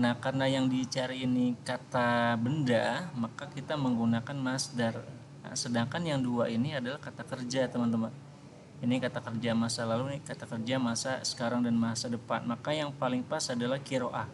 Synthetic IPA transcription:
nahkarnajaŋdit͡ʃaɾiːnikat̪abəndamakakit̪aməŋɡunakanmasdar̰ | sədaŋkanjaŋduainiadalahkat̪akərd͡ʒat̪əmənt̪əmən | inikat̪akərd͡ʒamasalalunikat̪akərd͡ʒamasasə̥kaɾaŋdanmaɦasadəpa̰nmakajaŋpalɪŋpasadalahkiɾoʔah

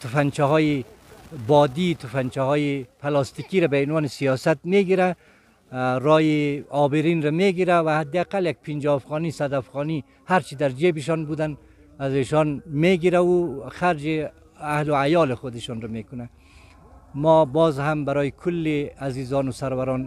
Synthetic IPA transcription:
t̪ʰʊfant͡ʃaɦɔji | bɔd̪it̪ʊfant͡ʃahɔːjipʰalɑst̪ikiɾabaɪnwɔnɪsijɔsat̪meɡiɾa | ɾɔjiɔbɪɾinɾameɡiɾawahad̪ːɪaqaljak̚pʰind͡ʒɔːfɣɔnisad̪afɣɔni | haɾt͡ʃid̪aɾd͡ʒebɪʃ̬ɔnbud̪an | azeʃɔnmeɡiɾauxaɾd͡ʒi | ahlʊajɔːlɪxʊd̪ɪʃɔnɾamekʊna | mɔbɔzhambaɾɔːjikʰʊlːiazizɔnʊsaɾwaɾɔn

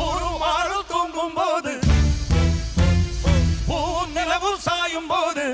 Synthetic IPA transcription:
uːɾmaːɾɯlt̪uːɳɖɯmpoːðɯ | puːnɪlɐʋɯlsaːjɯmpoːðɯ

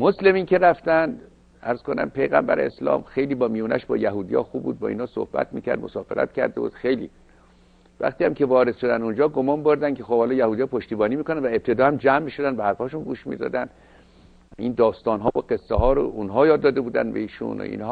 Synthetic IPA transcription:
mosle̞miːncʰe̞ɾæft̪ænd̪ | æɾz̥ko̞næ̰mpʰe̞jɣæmbæɾeeslɒ̰ːmxe̞jliːbɒːmijuːnæ̰ʃbɒ̰ːjæɦuːd̪ijɒ̰ːxuːbṵːd̪̚bɒ̰ːḭːnɒːso̰hbæ̰t̪miːcʰæ̰ɾd̪mo̰sɒːfḛɾæ̰t̪cʰæ̰ɾd̪ebṵːd̪xejlḭː | væ̰xt̪iːhæmcʰe̞vɒːɾe̞d̪̥ʃo̞d̪ænd̪und͡ʒɒːɡomɒːnbo̞ɾd̪ænkʲʰexob̥hɒlɒːjæhuːd̪ijɒːpʰoʃt̪iːbɒːniːmiːkonænvæep̚t̪ʰe̞d̪ɒːhæmd͡ʒæmːiːʃo̞d̪ænd̪behæɾfɒːʃunɡuːʃmḭd̪ɒ̰ːd̪ænd̪̥ | ind̪ɒːst̪ɒːnɦɒːboɡe̞sːeɦɒːɾo̰unɦɒːjɒːd̪ːɒːd̪ebuːd̪ænbḛiːʃṵno̰ḭːnhɒː

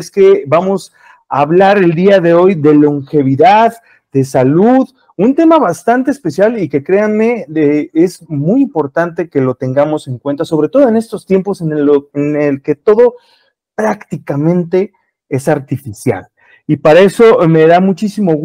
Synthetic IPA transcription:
ske̞bamo̞s | aβlaɾe̞ld̪iaðe̞o̞jðe̞lo̞ŋxe̞β̞iðað | d̪e̞saluð | unt̪e̞maβast̪ant̪e̞ːspe̞sjalike̞kɾe̞anme̞eezmujimpo̞ɾt̪ant̪e̞ke̞lo̞t̪e̞ŋɡamo̞se̞ŋkwe̞nt̪aso̞βɾe̞t̪o̞ð̞oe̞ne̞st̪o̞st̪je̞mpo̞senenelke̞t̪o̞ðo̞ | pɾakt̪ikamẽ̞nt̪e̞ | esaɾt̪ifisja̰l | ipaɾae̞so̞me̞ðamut͡ʃisimo̞ɣ

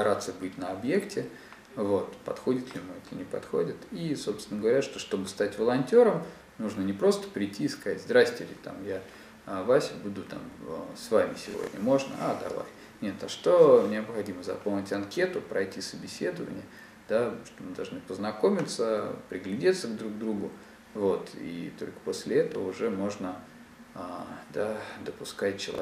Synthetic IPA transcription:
ɐɾat̪səbɨtʲnəɐbje̞ktʲɪ | vo̞t̪pɐ̰t̪xo̞dʲɪt̪lʲɪmɨɛt̪ə̰nʲɪpɐ̰t̪xo̞̰dʲɪt̪iso̞pst̪ʲɪnəɡəvɐɾʲaʂt̪oʂt̪o̞bɨst̪atʲvəlˠɐnʲtʲo̞ɾəm | nuʐnənʲɪpɾo̞st̪ə̥pɾʲɪjtʲʰːiːskatʲzd̪ɾasʲtʲɪlʲɪ̰t̪a̰mja | vasʲɪbud̪ʊt̪a̰məsvamʲɪsʲɪ̰vo̰dʲnʲə̰mo̞ʐnə̰ad̪ɐ̰va̰jʲ | nʲe̞t̪aʂt̪o̞mnʲɐpxɐdʲiməzɐ̰polˠnʲɪtʲɐnkʲe̞t̪ʊpɾɐjtʲisəbʲɪsʲe̞d̪əvə̰nʲɪ̰jə | d̪aʂt̪omɨd̪ɐlˠʐnɨpəznɐko̞mʲɪt̪səpɾʲɪɡlʲɪdʲet̪səɡd̪ɾuɡ̚d̪ɾuɡʊ | vo̞t̪ḭt̪o̞lʲkə̥po̞sʲlʲɪɛt̪əvəʊʐɛmo̞ʐnə | ad̪ad̪əpʊskat͡ɕɪlˠɐ̰

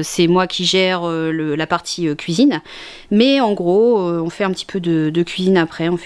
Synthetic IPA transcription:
sɛmwakʲiʒɛʁøləlapaʁt̪ʰiøkʲɥizin | mɛɑ̃ɡʁoøɔ̃fɛɛ̃pət̪i̥pʰød̪əd̪əkʲɥizinapχɛɔ̃f

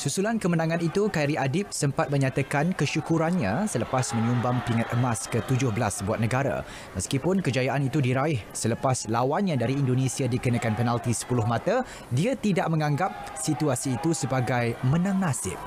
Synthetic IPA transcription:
susulankəmənãŋãnit̪ukaiɾiadɪp̚səmpat̪̚mə̃ɲat̪akankəʃukuɾanɲãsələpasmə̃ɲumbaŋpiŋat̪̚əmaskət̪ud͡ʒʊhbəlasbuat̪̚nə̃ɡaɾa̰ | məskipʊnkəd͡ʒajaʔanit̪udiɾaɪhsələpaslawanɲãdaɾiːndonẽsiadikənakanpənalt̪isə̥pulʊhmat̪a | diat̪idaʔmə̃ŋãŋɡap̚ | sit̪uasiːt̪usəbaɡajmə̃nãŋnasɪ̰p̚

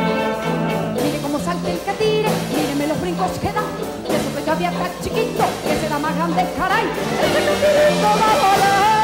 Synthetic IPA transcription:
miɾekomosalt̪elkat̪iɾemiɾemeloɦβɾiŋkoskeða | esoked͡ʒaβjat̪at͡ʃikit̪okeseðamaɣɾand̪ekaɾajesemefiɾit̪oðaβola

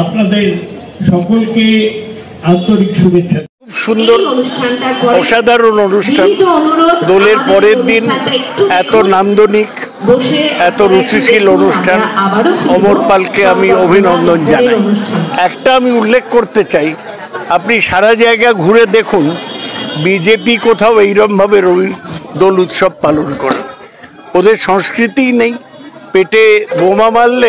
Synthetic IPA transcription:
apnad̪eɾ | ʃɔkolke | ant̪oɾikʃubetːʃʰa | bʃund̪oɾʰ | ɔʃad̪ʱaɾononuʃʈʰa | d̪ɔleɾpɔɾeɾd̪inɛt̪onand̪onik | ɛt̪oɾut͡ɕiʃilonuʃʈʰanɔmoɾpalkeamiobʱinond̪ond͡ʑanajɛkʈaamiulːekʰkoɾt̪et͡ɕaj | apniʃaɾad͡ʑaeɡaɡʱuɾed̪ekʰun | bid͡ʑepikot̪ʰaoejɾɔmbʱabeɾod̪olut̪ʃɔb̚palonkoɾe | od̪eɾʃɔŋskɾit̪ijnej | peʈebomamalːe

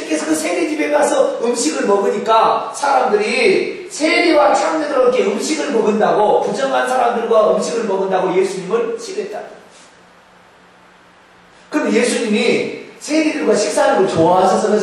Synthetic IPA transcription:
kʰːesʰʌkɯsʰe̞ɡed͡ʑibe̞pasʰʌɯmɕʰiɡɯɭmʌɡɯɲik͈asʰaɾamdɯɾi | sʰe̞ɾiwat͡ɕʰaŋnedɯɾokʰe̞ɯmɕʰiɡɯɭmʌɡɯndaɡokud͡ʑʌŋɦansʰaɾamdɯɭɡwaɯmɕʰiɡɯɭmʌɡɯndaɡoje̞sʰuɲimɯɭɕʰiɡet̚t͈a | kɯɾʌmenje̞sʰuɲimisʰe̞ɾidɯɭɡwaɕʰik̚s͈aɾɯmoɭt͡ɕoaɦasʰʌs͈ʌmjʌ

